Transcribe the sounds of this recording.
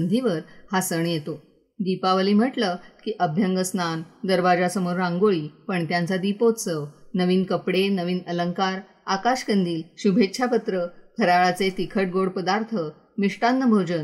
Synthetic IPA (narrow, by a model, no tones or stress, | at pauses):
nd̪ʱiʋəɾhasəɳjet̪o | d̪ipaʋəliːm̤əʈləkiːʔəbʱjəŋɡəsnand̪əɾʋad͡ʑasəmoɾɾãŋɡoɭiːpəɳt̪jãnt͡sad̪ipot͡səʋnəʋiːnkəpɽenəʋiːnələŋkaɾ | akaɕkənd̪iːlɕubʱet̪ːɕʰapət̪ɾək̪ʰəɾaɭat͡set̪ikʰəʈ̚ɡoɽpəd̪aɾt̪ʰə | miʂʈanːəbʱəwd͡ʑən